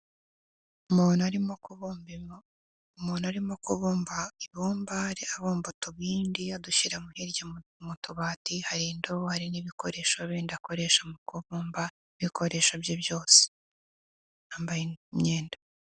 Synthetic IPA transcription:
umuːnaɾimokuβbi | umuːnaɾimo̞kuβuːmbaiβuːmbaɾeaβuːmbutoβiːndiaduʃiɾamuhiɾjamutuβaːtihaɾindohaɾiniβikoɾe̞ːʃoβiːndako̞ɾe̞ːʃamukuβuːmba | iβikʰo̞ɾe̞ʃobjobjo̞ːse̥ | ambajiɲɲeːnda

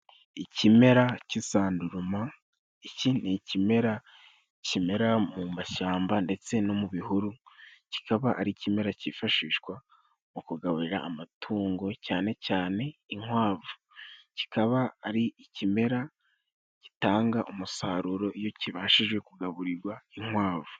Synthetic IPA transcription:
icime̞ɾacisaːnduɾuma | icinicime̞ɾa | cime̞ɾamumaʃaːmbande̞t͡se̞no̞muβihuɾuci̥kaβaʔaɾicime̞ɾacifaʃiːʃwa | mukuɡaβuɾiɾaːmatʰuːŋɡo̞caːne̞caːne̞iŋwaːvu̥ | ci̥kaβaːɾiicime̞ɾa | ci̥taːŋɡaʔumusaːɾuɾo̞ʔijo̞ciβaːʃiʒɡwe̞kuɡaβuɾiɾɡwaiŋwaːvu̥

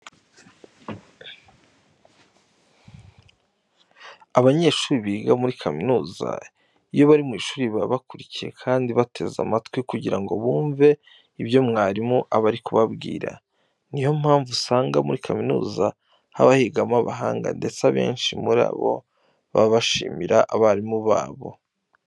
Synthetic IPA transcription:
aβaɲe̞ːʃuːɾiβiːɡamuɾikʰaminuːza̰ | ijo̞βaɾimŋiːʃuːɾiβaβakuɾicije̞̰kʰaːndiβatʰe̞za̰matwikuɟiɾaŋɡo̞βuːɱve̞ | iβjo̞mŋaːɾimuʔaβaɾikuβabɡḭːɾa̰ | nijo̞m̥haːɱvusaːŋɡamuɾikʰaminṵːza | ha̰βahiɡamaβaɦaːŋɡa̰nde̞t͡saβe̞̰ːnʃimuɾa̰ːβo̞̰ | βaβaʃḭːmiɾaʔaβaɾimuβa̰ːβo̞̰

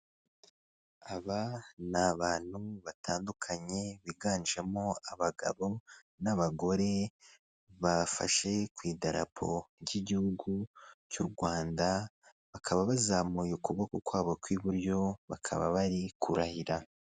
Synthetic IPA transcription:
aβanaβaːn̥huβatʰaːndukʰaɲe̞βiɡaːnd͡ʒemo̞aβaɡa̰βo̞ | naβaɡo̞ɾe̞ | βafa̰ʃe̞kwiːdaɾa̰pʰo̞̰ɾɟiɟihuɡucuɾɡwaːnda | βakʰaβaβazamujukuβokokwaːβokwiβuɾjo̞βakʰa̰βa̰βaɾikʰuɾahiɾa

